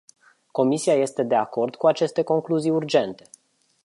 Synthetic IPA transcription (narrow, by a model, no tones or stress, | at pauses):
ko̞misiaje̞st̪e̞d̪e̞ako̞rd̪kuat͡ʃe̞st̪e̞ko̞ŋkluzijurd͡ʒe̞nt̪e̞̥